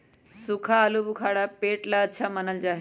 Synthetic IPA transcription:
sukʰaəlubukʰaːɽapeːʈlaːtːʃʰamənəld͡ʒaːɦ

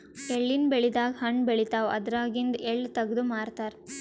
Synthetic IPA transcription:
eɭːinbeɭid̪aːɡɦɐɳbeɭit̪aːʋɐ̰d̪ɾaːɡind̪eɭːt̪ɐɡd̪umaːɾt̪aːɾ

